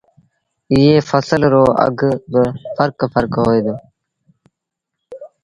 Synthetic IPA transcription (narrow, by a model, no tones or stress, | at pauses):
ijeːfəsəlɾoːʔə̰ɡbəfəɾkfəɾkɦoːjd̪oː